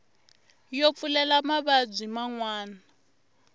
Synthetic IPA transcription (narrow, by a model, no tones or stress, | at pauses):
jop̪fulɛlamaβad͡zʷimaŋwaːna